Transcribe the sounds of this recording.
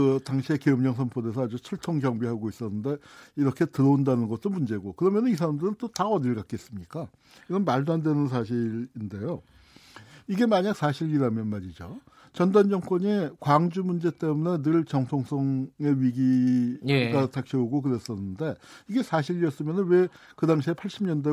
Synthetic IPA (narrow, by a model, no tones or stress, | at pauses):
kɯtaŋɕʰie̞keɯmɲʌŋs̬ʰʌmpʰode̞sʰʌad͡ʑut͡ɕʰʌɭtʰoŋɡjʌŋbiɦaɡois͈ʌnːɯnde̞iɾʌkʰe̞tɯɾʌundanɯnɡʌt̚t͈omund͡ʑe̞ɡokɯɾʌmjʌnɯnisʰaɾamdɯɾɯnt͈otaʌdiɭɡak͈es͈ɯmɲik͈a | iɡʌnmaɭdandwe̞nɯns̬ʰaɕ̬ʰiɾinde̞jo | iɡe̞maɲak̚sʰaɕʰiɾiɾamjʌnmaɾid͡ʑo | t͡ɕʌndand͡ʑʌŋk͈wʌɲikwaŋd͡ʑumund͡ʑe̞t͈e̞mune̞nɯɭt͡ɕʌŋtʰoŋs͈ʰʌŋe̞ɥiɡieɡatʰak̚ɕ͈ʰʌuɡok̬ɯɾes͈ʌnːɯnde̞ | iɡe̞sʰaɕʰiɾiʌs͈ɯmjʌnɯnwe̞ | kɯdaŋɕʰiepʰaɭɕ͈ʰimɲʌnde